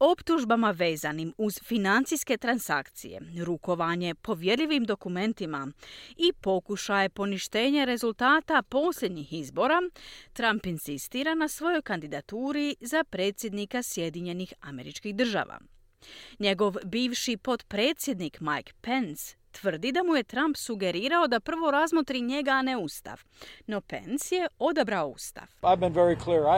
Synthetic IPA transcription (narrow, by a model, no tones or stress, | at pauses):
o̞pt̪uʒbamaʋe̞ːzanimuz̥finant̪sijske̞t̪ɾansa̰kt̪sḭje̞̰ɾuko̞ʋaɲe̞po̞ʋje̞ɾʎiʋimd̪o̞kume̞nt̪imaipo̞kuʃajepo̞niʃt̪e̞ːɲeɾe̞zult̪aːt̪apo̞sʎʲe̞d̪ɲixizbo̞ɾat̪ɾampinsist̪iːɾanasʋo̞jo̞jkand̪id̪at̪uːɾizapɾe̞ːt̪sʲjed̪nikasje̞d̪iɲe̞nixame̞̰ɾit͡ʃkixd̪r̩ʒa̰ʋa̰ | ɲe̞ɡo̞ʋbiːʋʃipo̞t̪pɾe̞ːt̪sʲje̞d̪nikmajkpe̞ns | t̪ʋr̩d̪id̪amuje̞t̪ɾampsuɡe̞ɾiːɾao̞d̪apr̩ʋo̞ɾazmo̞t̪ɾiɲe̞ɡane̞ust̪a̰ʋ | no̞pe̞̰nsje̞o̞d̪abɾaoṵst̪a̰ʋaɪvbə̃nvɛɹikʰliɹ